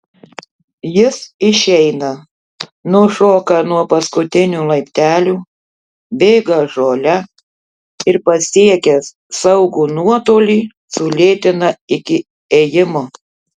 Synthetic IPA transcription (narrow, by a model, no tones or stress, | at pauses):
jɪsɪʃʲɛɪnɐ | nʊʃoːkɐnuɔpɐskʊt̪ʲɪnʲuːlˠɐɪpʲt̪ʲæːlʲuː | bʲeːɡɐʒoːlʲɛ | ɪɾpɐsʲiɛkʲɛs | sɐʊɡuːnuɔt̪oːlʲiː | sʊlʲeːt̪ʲɪnɐɪkʲɪ | eːjɪmoː